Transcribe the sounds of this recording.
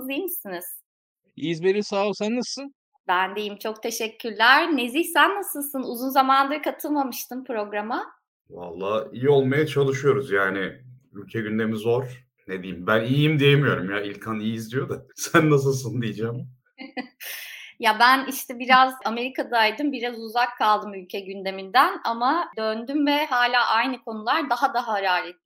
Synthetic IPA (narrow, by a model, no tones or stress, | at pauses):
d̪ijmisiniz̥ | izbeɾisaːsænːasɯ | bænd̪e̞jimt͡ʃʰo̞kt̪ʰe̞ʃɛcʲʰːyɾlʲæɾne̞ziçsænːasɯlˠsɯnuzunzamand̪ɯɾkʰat̪ʰɯlˠmamɯʃt̪ʰɯmpɾo̞ɡɾama | va̰lˠːaːijio̞lˠmajat͡ʃʰalˠɯʃujo̞ɾuzjaːnɪ | ylʲcʰɛɟynd̪e̞mizo̞ɾ̥ | ned̪ijimbænijimd̪ijemyjo̞ɾumjailʲkʰanijizd̪ijo̞d̪asænːas̬ɯlˠs̬ɯnd̪ijd͡ʒaːm | jabæniʃt̪ʰɛbiɾazame̞ɾikʰad̪aːjd̪ɯmbiɾazuzakʰːalˠd̪ɯmylʲcʰɛɟynd̪e̞mind̪ænamad̪ønd̪ymvɛɦaːlʲaːʔajnɯkʰo̞nulˠaɾd̪aɦad̪aɦaɾaːlʲit̪